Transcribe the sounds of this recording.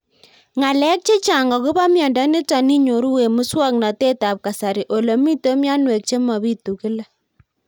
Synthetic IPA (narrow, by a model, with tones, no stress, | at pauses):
ŋa˨lɛ˦k̚t͡ʃe˦t͡ʃa˨ŋɡɔ˨ku˦ba˦mjɔ˨ndɔ˦ni˦ta˨ni˦ɲo˨ɾu˦we˨mʊ˦swɔ˦kna˨te˦ta˨p̚ka˨sa˨ɾi˨ʔo˨lo˨mi˦to˦mja˦nwe˨k̚t͡ʃe˦ma˨βi˦tu˨kɨ˦lɛ˦